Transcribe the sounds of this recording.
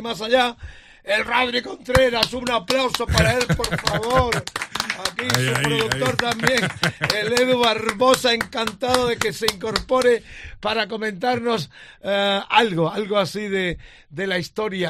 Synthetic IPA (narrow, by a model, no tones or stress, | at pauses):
masaʎa | elraβɾiko̞nt̪ɾeɾasuunaplawso̞paɾae̞lpo̞ɾfaβoɾakisupɾoðuk̚t̪o̞ɾt̪ambje̞ŋeleðuβaɾβo̞saeŋkant̪aðoðe̞ke̞se̞iŋko̞ɾpo̞ɾepaɾako̞mẽnt̪aɾno̞s | alɣoalɣoasiðe | d̪e̞laist̪o̞ɾja